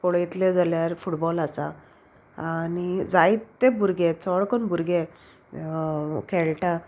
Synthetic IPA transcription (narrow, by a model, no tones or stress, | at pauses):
kɔɭit̪led͡zaljaɾfuʈbɔlasa̰ | anid͡zajt̪ːebʱuɾɡet͡sɔɭkɔnbʱuɾɡe | kʰeɭʈa